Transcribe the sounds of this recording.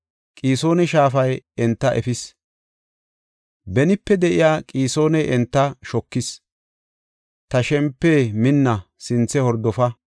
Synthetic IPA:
kʼiːso̞ːnɛʃaːfɐjɛnt̪ːɐʔɛfɪs | bɛnɪpːɛd̪ɛʔɪjaːkʼiːso̞ːnɛɛnt̪ːɐʃɔkːɪs | t̪ɐʃɛmpːeːmɪnːɐsɪnt͡sːɛhɔɾd̪ɔfɐ

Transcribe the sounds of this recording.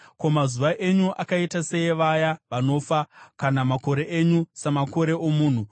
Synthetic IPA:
ko̞mazuʋaʔe̞ɲuʔakaitase̞jeʋajaʋano̞fakanamako̞ɾe̞ʔeɲusemako̞ɾe̞omuːn̤u

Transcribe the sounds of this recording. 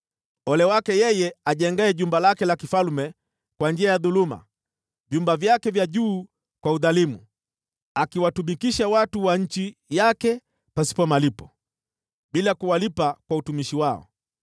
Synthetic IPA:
ɔlɛwakɛjɛjɛaʄɛŋɡaɛʄumbalakɛlakifalmɛ | kwand͡ʒiajaðuluma̰ | vjumbavjakɛvjaʄuː | kwauðalimu | akiwatumikiʃawatuwaɲ̩t͡ʃijakɛ | pasi̥pɔmalipɔ̥ | ɓilakuwalipakwautumiʃiwaɔ̰

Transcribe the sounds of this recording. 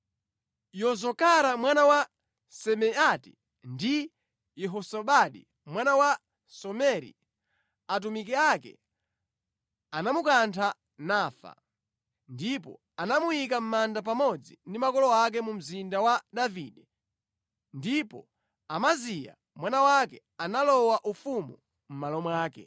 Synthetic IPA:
jɔzɔkaɾamwanawa | sɛmɛati | ndi | jɛɦɔsɔɓaɗḭ | mwanawa | sɔmɛɾḭ | at̬umikɛakɛ̰ | anamukantʰa | naːfa̰ | ndipɔ̰ | anamujik̬am̩mandap̬amɔd͡zindimakɔlɔak̬ɛmum̩zindawaɗaviːɗɛ | ndipɔ̰ | amazija̰ | mwanawakɛ | analɔwaʔufumu | m̩malɔmwaːkɛ̰

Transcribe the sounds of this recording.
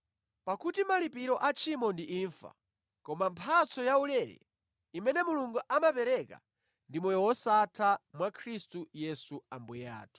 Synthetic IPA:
pakutimalipiɾɔʔat͡ʃʰimɔndiʔiːɱfa̰ | kɔmampʰat͡sɔjaulɛɾɛ̰ | imɛnɛmuluŋɡuʔamapɛɾɛka̰ | ndimɔjɔwɔsatʰamwakʰɾistujɛsuambuja̰ːtʰu̥

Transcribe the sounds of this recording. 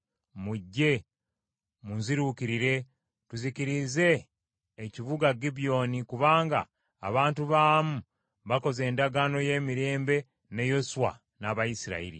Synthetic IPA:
muɟːe̞ | munziɾuːkiɾiɾe̞ | tuziciɾize̞ː | ciβuɡaɡibijo̞nikuβaːŋɡa̰ː | βaːntuβaːmu | βako̞ze̞ːndaɡaːno̞je̞ːmiɾe̞ːmbe̞ | ne̞jo̞suwa̰ | naβajisiɾa̰ḭɾḭ

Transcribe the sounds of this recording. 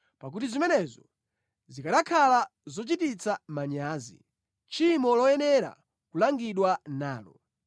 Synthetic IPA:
pak̬utizimɛnɛzɔ | zikaɗakʰalazɔt͡ʃitit͡samaɲaːzḭ | t͡ʃimɔlɔjɛnɛɾa̰ | kulaŋɡiɗwanaːlɔ

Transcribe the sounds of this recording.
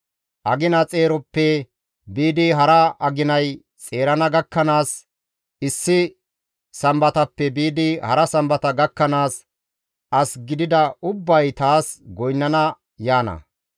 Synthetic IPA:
ʔɐɡɪnɐt͡sʼe̞ːɾɔpːɛ | biːd̪ɪɦɐɾɐɐɡɪnɐj | t͡sʼe̞ːɾɐnɐɡɐkːɐnaːs | ɪsːɪ | sɐmbɐt̪ɐpːɛbiːd̪ɪhɐ̰ɾɐsɐmbɐt̪ɐɡɐkːɐnaːs | ʔɐsɡɪd̪ɪd̪ɐʊbːɐjt̪aːsɡɔjnːɐnɐ | jaːnɐ̰

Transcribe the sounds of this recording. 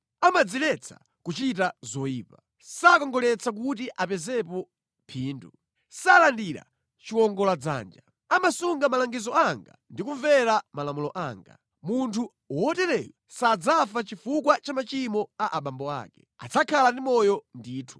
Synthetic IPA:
amad͡zilɛt͡sʰḁ̰ | kut͡ʃitazɔjiːpa | sakɔŋɡɔlɛt͡sak̬utiʔapɛzɛpɔ | pʰiːndu | salandiɾa̰ | t͡ʃiwɔŋɡɔlad͡za̰ːnd͡ʒa | amasuŋɡamalaŋɡizɔaŋɡa̰ndikuvɛɾamalamulɔʔaːŋɡa | muntʰu | ɔɔtɛɾɛlasad͡zafat͡ʃifukwat͡ʃamat͡ʃimɔaʔaɓambɔa̰ːkɛ̥ | a̰t͡sʰakʰalandimɔjɔndiːtʰu̥

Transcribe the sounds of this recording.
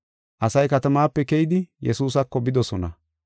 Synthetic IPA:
ʔɐsɐjkɐt̪ɐmaːpːɛkɛjɪd̪ɪjɛsuːsɐkːɔbɪd̪ɔsɔnɐ̰

